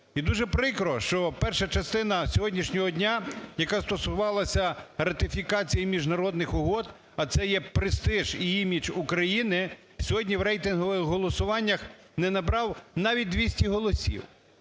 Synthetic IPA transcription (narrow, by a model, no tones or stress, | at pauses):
id̪uʒɛpɾɪkɾɔʃt͡ʃɔpɛrʃɐt͡ʃɐst̪ɪnɐsʲɔɦɔdʲnʲiʃnʲɔɦɔdʲnʲajɐkast̪ɔsʊʋɑlˠɐsʲɐrɐt̪ɪfʲikɑt͡sʲijimʲiʒnɐɾɔd̪nɪxʊɦɔd̪ | ɐt̪sɛjɛpɾɪst̪ɪʒiimʲit͡ʃukɾɐjinɪ | sʲɔɦɔdʲnʲiwɾɛjt̪ɪnɦɔʋɪxɦɔlˠɔsʊʋɑnʲːɐx | nɛnɐbɾɑwnɑʋʲit̚ʲd̪ʋʲisʲtʲiɦɔlˠɔsʲḭw